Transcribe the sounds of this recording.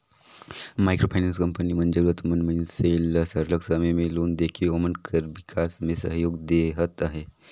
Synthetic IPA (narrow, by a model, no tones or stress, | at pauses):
majkɾopʰajnanskəmpəniːmənd͡ʒəɾʋət̪mənminselsəɾləksəməmeloːnd̪ekʰiomənkʰəɾʋikʰasmesəɦjoːɡd̪eɦət̪aɦe